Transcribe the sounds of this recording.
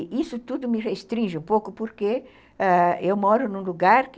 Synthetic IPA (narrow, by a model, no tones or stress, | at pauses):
isʊt̪ud̪ʊmɪrest̪ɾĩʒɪũpowkʊpoɾke | aewmɔɾʊnũluɡaɾk